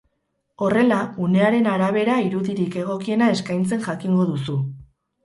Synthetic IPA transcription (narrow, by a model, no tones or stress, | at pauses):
o̞re̞laune̞aɾe̞naɾaβe̞ɾaiɾuðiɾike̞ɣ̞o̞kie̞nae̞skajnt͡se̞nʝakiŋɡo̞ðusu